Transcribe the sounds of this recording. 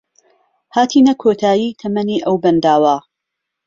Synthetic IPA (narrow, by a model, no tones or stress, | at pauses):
haːt̪ʰiːnɐkʰoːt̪ʰaːjiːt̪ʰɐmɐniːʔɐwbɐnd̪aːwa